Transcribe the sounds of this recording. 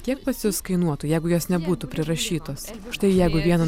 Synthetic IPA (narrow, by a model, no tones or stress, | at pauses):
kʲiɛk̚pɐsʲʊskɐɪnuɔt̪uːjɛɪɡʊjoːsnʲɛbuːt̪upʲɾʲɪɾɐʃʲiːt̪oːs | ʃt̪ɐɪjɛɪɡʊʋʲiɛnɐ